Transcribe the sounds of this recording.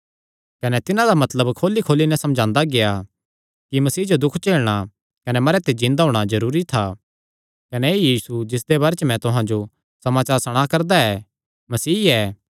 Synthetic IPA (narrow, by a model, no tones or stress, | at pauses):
kɐnɛt̪ɪnãd̪amɐt̪ləbkʰoːlːikʰoːlinɛsɐmd͡ʒʱãːnd̪aɡeja | kimɐsiːd͡ʒod̪ʊkʰt͡ʃeːlɽ̃a | kɐnɛmɐɾet̪ed͡ʒɪ̃nd̪aɦoːɽ̃azɐɾuːɾit̪ʰa | kɐneejiːsud͡ʒɪs̬d̪ebaːɾet͡ʃmɛ̃t̪ʊɦãd͡ʒo | sɐmaːt͡ʃaːɾsɐɽ̃akɐɾd̪aɛː | mɐsiːɛː